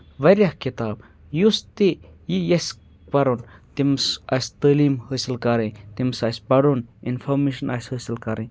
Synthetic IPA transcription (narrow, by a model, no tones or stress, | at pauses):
ʋɐɾʲjɐhkit̪aːb̚ | just̪ijijɐs | pɐɾont̪imsɐst̪əːliːmhəsilkɐɾẽt̪imsɐːsbɐɽoninfʰoɾmeʃɐnashəːsilkɐɾẽ